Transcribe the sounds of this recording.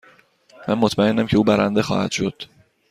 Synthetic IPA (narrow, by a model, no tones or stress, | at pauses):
mænmot̪ʰmæenːæmcʰeuːbæɾænd̪exɒ̰ːhæ̰d̪̥ʃo̞d̪̥